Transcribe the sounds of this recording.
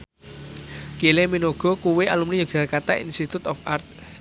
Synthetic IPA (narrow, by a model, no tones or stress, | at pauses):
kileminoɡ̥ɔ̤kuweʔalumlijoɡ̥a̤kat̪aḭnst̪it̪ut̪ɔfart̪̚